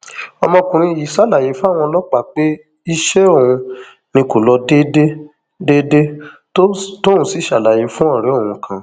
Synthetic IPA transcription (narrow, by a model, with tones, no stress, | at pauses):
ɔ˧mɔ̃˧kũ˨ɾ̃ĩ˧˨ji˨sa˦la˨je˨˦fu˦a˦˨w̃ɔ̃˧lɔ˦k͡pa˦˨k͡pe˦ | i˦ʃɛ˦õ˦˨ũ˧ | nĩ˧ko˨lɔ˧de˦de˦ | de˦de˦ | to˦ũ˦si˨˦ʃa˨la˨je˨˦fũ˦ɔ̃˦˨ɾɛ˨˦õ˦˨ũ˧kʰã˨